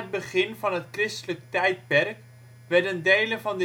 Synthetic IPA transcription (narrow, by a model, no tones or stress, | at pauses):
əd̚bəχɪnvɑnɦətkrɪstələk̚tɛjt̚pɛrk | ʋɛɹdəndejləvɑndə